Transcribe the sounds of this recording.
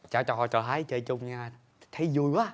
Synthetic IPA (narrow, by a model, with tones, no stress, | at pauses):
t͡ɕaː˧˩t͡ɕɔ˧˩t͡ɕɔ˧˩ɦaː˨˦jt͡ɕəː˧t͡ɕʊ˧ŋ͡mɲaː˧ | t̪ʰə˨˦zu˧əjwaː˨˦